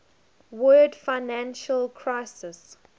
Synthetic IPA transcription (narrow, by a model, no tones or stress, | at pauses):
wɜːdfaɪnæ̃nʃəlkʰɹaɪsɪs